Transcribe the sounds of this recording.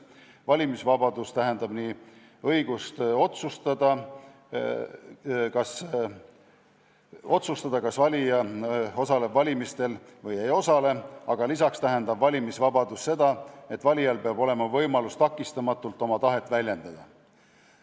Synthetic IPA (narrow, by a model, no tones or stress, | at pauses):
vɑlʲimisvɑbɑd̪̥ust̪æɦend̪ɑb̥niː | ɤjɡ̥ust̪o̞t̪sust̪ɑd̪̥ɑ | kɑs | o̞t̪sust̪ɑd̪̥ɑkɑsvɑlʲijɑo̞sɑle̞bvɑlʲimist̪e̞lvɤjejo̞sɑle̞ɑɡ̥ɑlisɑkst̪æɦe̞nd̪̥ɑbvɑlʲimisvɑbɑd̪usːe̞d̪̥ɑe̞t̪ːvɑlʲijɑlpeɑbo̞le̞mɑvɤjmɑlust̪ɑkːˑist̪ɑmɑt̪ːˑult̪ːˑo̞mɑt̪ɑɦe̞t̪ːˑvælʲje̞nd̪̥ɑd̪̥ɑ